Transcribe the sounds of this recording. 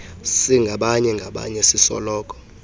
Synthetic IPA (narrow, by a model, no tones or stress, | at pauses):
siŋɡʱaɓaɲɛŋɡʱaɓa̰ɲɛsisɔ̰lɔːk̬ʼɔ̥